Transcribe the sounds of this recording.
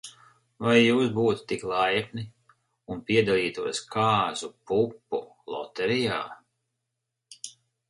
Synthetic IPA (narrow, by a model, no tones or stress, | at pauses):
vajːuːsbuːt̪t̪iklˠajkni | unpiɛd̪alˠiːt̪uɔskʰaːzupupːṵ | lˠɔ̰t̪ɛɾijaː